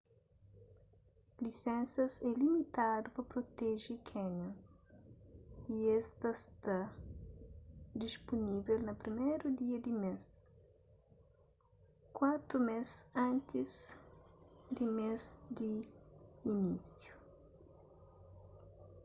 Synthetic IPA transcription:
lisɛ̃nsɐsɛlimit̪ad̪upɐpɾot̪ɛʒikʰɛɲɐ | iɛst̪ɐst̪ɐ | d̪ispunivelnɐpɾimɛjɾud̪iɐd̪imes | kwat̪ɾumesɐ̃nt̪iz | d̪imezd̪iː | nisju

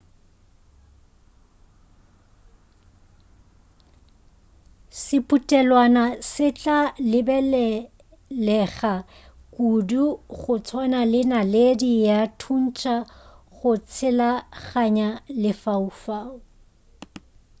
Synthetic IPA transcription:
sɪpʼutʼɛlwanasɪt͡ɬʼalɪbɛl | lɛχa | kʼuduχʊt͡sʰwanalɪnaledijatʰun̩t͡ʃʼaχʊt͡sʰɪlaɣaɲalɪfaufaːʊ

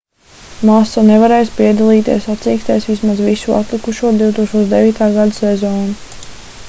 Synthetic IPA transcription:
maːsanevaɾɛːjspiɛd̪alˠiːt̪ḭɛsat̪ziːkst̪ɛjsʋismazʋisua̰t̪lˠikuʃuɔd̪iuwt̪uɔkʃt̪uɔd̪eviːt̪aːɡad̪asɛzɔːnu

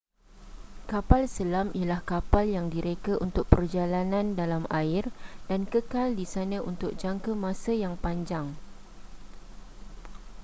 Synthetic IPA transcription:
kapalsəlamialahkapaljaŋdiɾekəʔunt̪ʊk̚pərd͡ʒalanãndalamaɪrdankəkaldisanə̃ʔunt̪ʊk̚d͡ʒaŋkəmãsəjaŋpaɲd͡ʒaŋ

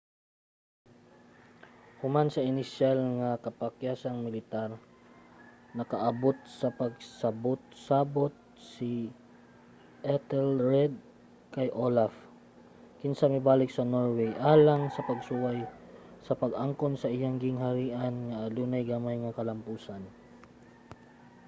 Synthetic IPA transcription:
hʊmansɐɪnɪʃalŋɐkɐpɐkjaːsɐŋmɪlɪt̪aɾ | nɐkɐʔɐbot̪̚sɐpɐɡ̚sɐbot̪̚saːbot̪̚ | sɪ | ʔɛt̪ɛlɹɛd̪̚ | kɐjʔolaf | kɪnsamɪbaːlɪk̚sɐnoɹwɛjʔaːlaŋsɐpɐɡsuwajsɐpɐɡaŋkonsɐʔɪjaŋɡɪŋɦɐɾiːʔɐnŋɐʔːluːnɐjɡamajŋɐkɐlɐmpuːsan

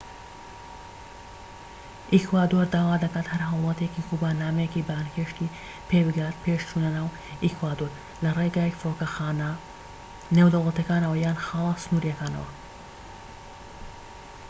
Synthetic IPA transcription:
ʔikwaːd̪oɾd̪aːwaːd̪ɐkaːt̪hɐɾhɦɐwlˠɐt̪ekiːkubaːnaːmɐjecibaːnkeːʃt̪i | pʰeːbɨɡaːt̪̚pʰeʃt͡ʃʰunɐnaːw | ikwaːd̪oːɾ | lɐreɡaːjfɾokɐxaːnɐ | newd̪ɐwlˠɐt̪ɐkaːnɐwɐjaːnxɑːlˠɨsɨnuːɾijɐkaːnɐ̰wɐ̰

